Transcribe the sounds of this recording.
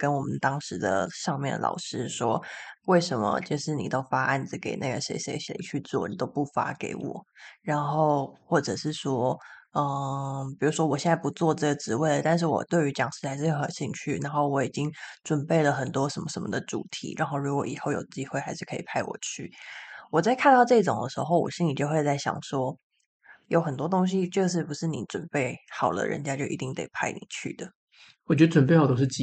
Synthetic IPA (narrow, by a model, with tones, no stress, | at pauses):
kə˥nwɔ˨˩mə˨nt̪ɑ˥ŋʂɻ̩˧˥d̪ə̰˧ʂɑ˥˧ŋmjɛ̰˥˩nd̪̰lɑ̰˨˩ʊʂɻ̩˥ʂwɔ˥we˥˩ɪʂə˧˥nmə̰˧t͡ɕo˥˧ʂɻ̩˥˩ni˨˩t̪o˥ʊfa˥ʔa˥˩nd͡z̩˨˩ke˨˩ɪna˥˩ɡə˨˩ʂḛ˧˥ɪʂḛ˧˥ɪɕḛ˧˥t͡ɕʰy˥˧t͡swɔ̰˥˩ni˨˩t̪o˥ʊpu˥˩fa̰˥kḛ˧˥ɪwɔ̰˨˩˦ɻa˨˥nxo˥˧ʊxwɔ˥˩ʈ͡ʂɤ˨˩ʂɻ̩˥˩ʂwɔ˥ə˧pi˨˩u˧˥ʂwɔ˥wɔ˨˩ɕjɛ˥˧nt͡sa˥ɪpu˧˥t͡swɔ˥˧ʈ͡ʂɤ˥˩ɡə˩ʈ͡ʂɻ̩˧˥we˥˩ɪd̪ə˩t̪a˥˧nʂ̬ɻ̩˥˩wɔ̰˨˩t̪we˥˩ɪy˧˥t͡ɕjɑ˨˩ŋʂɻ̩˥˩xa˧˥ɪʂɻ̩˥˩˧xə̰˨˩nɕi˥˧ŋt͡ɕʰy˥˩na˧˥nxo˥˩ʊwɔ˧˥i˨˩t͡ɕi˦˥ŋʈ͡ʂwə˨˩npe˥˩ɪlə˩xə˨˩nt̪wɔ˥ʂə˧˥nmə˧˩ʂə˧nmə̰˧d̪ə˨ʈ͡ʂṵ˨˩t̪ʰḭ˧˥ɻa̰˧˥nxo˥˩ʊɻu˧˥kwɔ̰˧˥˩i˨˩xo˥˩ʊjo˨˩ʊə˩t͡ɕi˥xwe˥˩ɪxa˧ɪʂɻ̩˥˩kʰɤ˧˥ḭ˨˩pʰa˥˩ɪwɔ̰˨˩t͡ɕʰy̰˥˩wɔ˨˩t͡sa˥˧ɪkʰa˥˧nt̪ɑ˥˧ʈ͡ʂɤ˥˧i˥ʈ͡ʂo̰˨˩ŋd̪ə˦˩ʂɻ̩˧˥xo˥˧ʊwɔ̰˨˩ɕi˥ni˨˩t͡ɕo˥˧xwe˥˧ɪt͡sa˥˩ɪɕjɑ̰˨˩ŋʂwɔ˥ | jo˧˥ʊxə˨˩nt̪wɔ˥t̪o˥ŋɕ̬i˥ʈ͡ʂɤ˥˧ʂ̬ɻ̩˥˩pu˧˥ʂɻ̩˥˩ni˧˥ʈ͡ʂwə̰˨˩npe˥˩ɪxɑ˨˩ʊd̪ə̰˦˩ɻə̰˧˥nt͡ɕja˥t͡ɕjo˥˩ʊʔḭ˧˥t̪i˥ŋt̪ḛ˨˩ɪpʰa̰˥˩ɪnḭ˨˩t͡ɕʰy̰˥˩d̪ə˩ | wɔ˨˩t͡ɕɥɛ˧˥d̪ə˥ʈ͡ʂwə˨npe˥˩ɑ˨˩t̪o˥ʊ˥ʂɻ̩˥˩t͡ɕ